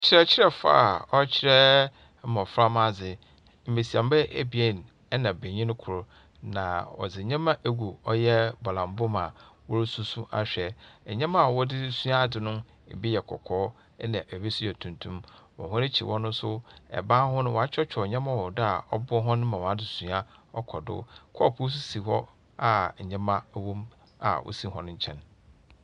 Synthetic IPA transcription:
t͡ɕʰɪ˦ɾɛ˦t͡ɕʰɪ˦ɾɛ˦fa̰ː˦˨ɔ˦t͡ɕʰɪ˦ɾɛ˦ | mã˨fɾa˦mã˦d͡zɪ˨ | m̩˨me˨si˨ã˨m˦bɛ˦ʔe˨bi˨e˦˨n˨ | ɛ˦nã˨bẽ˨ɲĩ˦ñ˦kʰʊ˨ɾʊ˦ | nã̰˨ɔ̰˨d͡zɪ˨ɲã˦mã˦ʔe˦ɡu˨ɔ˦jɛ˦bɔ˨lã˨m˦bʊ˦ma˨wɔ˦ɾsu˦su˦ʔa̰˨ɕᶣɛ˨ɛ˨ɲã˦mã˦a˨wɔ˦dɪ˦su˦a˦˨dɪ˨nʊ̃˦˨ | bi˦jɛ˨kʰɔ̰˨kʰɔː˦ | nã˨ʔɛ˨be˦su˦ɛ˨tʰũ˨ntʰũ˦mwɔ̰̃˨ɦʊ̃˦ɾɪ˦t͡ɕʰi˨wɔ̃˦nʊ̃˦sʊ˦ɛ̰˨bãː˦hʊ̃˦nʊ̃˦wɔ˨a˦t͡ɕᶣɛ˦t͡ɕᶣʰɔ˨ɲɛ̃˦mã˦wɔ˨dɪ˦a˨ɔ˦bʊ˦ɦɔ̃˦nʊ̃˦mã˨wɔ̃˨a˦dɪ˨su˦a˦ɔ˦kʰɔ˨dʊ̰˦kʰɔ˦˨pʰu˦s̬u˦si˨hɔ˦ | a˨ɲɛ̃˦mã˦wõ˦m | a̰˨wʔɔ̰˦si˦ɦɔ̃˦nʊ̃˦ɲ̩˦t͡ɕʰɛ̰̃˦n

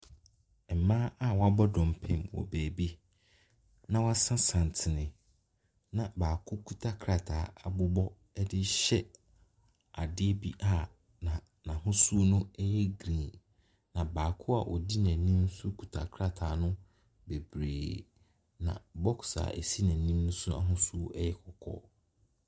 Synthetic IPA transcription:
mãː˦a˦wɔ˦a˦bɔ˦dɔ̃˨m˨pʰɛ̃˦˨mwɔ̰˨bæː˨bi˦ | nã˨wa˦sã˦sã˨n˨tʰɪ˨nɪ̃˨ | nã˨baː˨kʰʊ˦kʰu˦tʰa˦kʰɾa˨tʰaː˨a˨bʊ˦bɔ˦ | ɛ˦dɪ˦ɕɛ˦ | a˨dɪ˦bi˦ʔa˦˨ | nã˨ | nã˨ɦʊ̃˦su˦nʊ̃˦ɛ˦jɛ˦ɡɾĩ˨ | nã˨baː˨kʰʊ˦a˨ʔɔ˨di˦næ̃˨nĩ˦m˦sʊ˦kʰu˨tʰa̰˨kʰɾa˦˨tʰaː˨nʊ̃˦ | be˨bɾḛː˨ | nã̰˨bɔ˦ksa̰˨ʔɛ̰˨si˦næ̃˨nĩ˦mnʊ̃˦sʊ˦a̰˨ɦʊ̃˦su˦ɛ˦jɛ˦kʰɔ˨kʰɔ̰˦

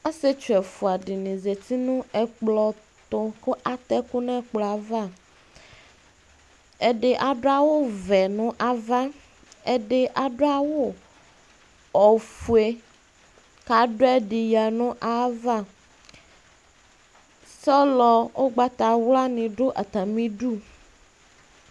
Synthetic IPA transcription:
a˦se˦t͡ʃu˨ɛ˨fu˨a˨ɖi˨nĩ˨ze˨t̪i˦nũ˦ɛ˨k͡plɔ˨ | t̪o˦ke˦ʔa˨t̪ɛ˦ku˦nɛ̃˦k͡plɔ˨a˨va˦˨ | e˨ɖe˨ʔa˨ɖo˦a˦wo˦vɛ˨nũ˦ʔa˨va˦ | e˦ɖe˦ʔa˨ɖo˦a˨wo˦ | ɔ˨fu˨e˨ | ka˨ɖo˦ɛ˦ɖi˨ja˨nʊ̃˦ʔa˦va˦˨ | sɔ˦lɔ˨wo˦ɡ͡ba˦t̪a˨wla˦nĩ˨ɖo˦ʔa˨t̪a˨mĩ˦ɖu˦

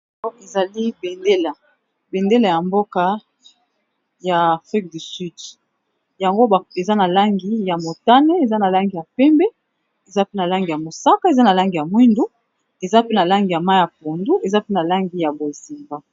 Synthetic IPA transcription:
ɔ˦e˨za˨li˦be˨nde˦la˨ | be˨nde˦la˨ja˨mbo˦ka˦ | jaː˨fʁi˦k̚dy˨sy˦˨d | ja˨ŋɡo˦˨e˨za˦na˨la˦ŋɡi˦ja˨mo˨ta˦ne˦e˨za˦na˨la˦ŋɡi˨ja˨pɛ˦mbɛ˦ | e˨za˦pe˦na˨la˦ŋɡi˨ja˨mo˨sa˦ka˦e˨za˦na˨la˦ŋɡi˨ja˨mwi˦ndu˦ | e˨za˦pe˦na˨la˦ŋɡi˨ja˨ma˦ja˨p̚o˨ndu˦ʔe˨za˦pe˦na˨la˦ŋɡi˨ja˨bo˨zi˨mba˦

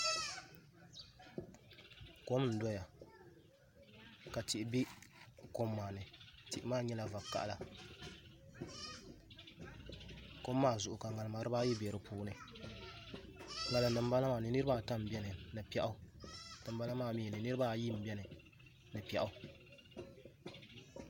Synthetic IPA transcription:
ko˦mn̩˨˦dɔ˦ja˨ | ka˨ti˨ʔɪ˨bi˦ko˦mːaː˨nɨ˨ti˨ʔɪ˦maː˦ɲɛ˦la˨va˨kːa̰˦ʔla˨ | ko˦mːaː˦˨zʊ˨ʔʊ˨ka˨ŋa˨lɨ˨ma˨ɾɨ˦baː˦ji˦bɛ˨ɾɨ˨pʰuː˦nɨ˨ | ŋa˨lɨ˨nɨ˨m˦ba˦la˦maː˨nɨ˨nɨ˦ɾɨ˦ba˦ta˦m̩˨bɛ˦nɨ˨nɨ˨pɛ˦ʔa˦dɨ˨m˦ba˦la˦maː˦˨mi˦˨nɨ˨nɨ˦ɾɨ˦baː˦ji˦m̩˨bɛ˦nɨ˨ | nɨ˨pɛ˨ʔa˦

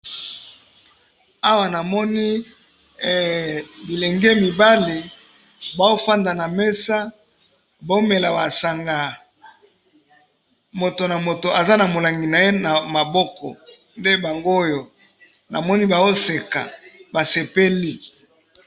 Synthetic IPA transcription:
a˦wa˨na˨mɔ˦ni˦ | bi˨le˨ŋɡe˦mi˨ba˦li˨ | ba˨o˦fa˦nda˨na˨me˦sa˦ | ba˨o˦me˨la˨ba˨sa˨ŋɡa˨ | mo˨to˨na˨mo˨to˨ʔa˨za˦na˨mo˨la˨ŋɡi˨na˨je˦na˨ma˨bɔ˦kɔ̰˨ | nde˦ba˨ŋɡo˦o˦jo˨ | na̰˨mɔ˦ni˦ba˨o˦se˨ka̰˨ba˨se˨pe˦li˦

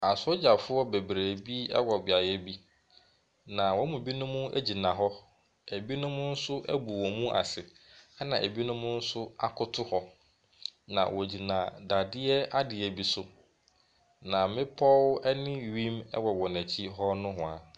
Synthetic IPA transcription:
a˨sɔ˦d͡ʑa˨fʊ˦ɔ˦be˨bɾæ˨bi˦ɛ̰˦wɔ˨bɪ˨a˨jɛ˦bi˦ | nã˨wɔ̃˦mũ˨bi˦nʊ̃˦mʊ̃˦æ̰˦d͡ʑi˨nã˨ɦɔ˦ | æ˨bi˦nʊ̃˦mʊ̃˦n̩˦sʊ˦ʔæ̰˦bu˨wɔ˨mũ˦ʔa̰˨sɪ˨ | a˦nã˨ʔæ˨bi˦nʊ̃˦mʊ̃˦n̩˦sʊ˦a˦kʰʊ˦tʰʊ˦hɔ˨˦ | nã̰˨wɔ˨d͡ʑi˨nã˨da˨dɪ˦ɛ˦a˦dɪ˨ɛ˨bi˦sʊ˦ | nã˨mɪ̃˦pʰɔ˦wɛ˦nɪ̃˦ɥĩ˦mɛ̰˦wɔ˨wɔ˨næ˨t͡ɕʰi˦ɦɔ˦nʊ̃˦ɦʊ̃˨a˨

